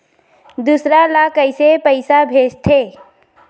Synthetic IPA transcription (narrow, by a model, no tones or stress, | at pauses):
d̪usɾalakəɪsepəɪsabʱed͡ʒt̪ʰe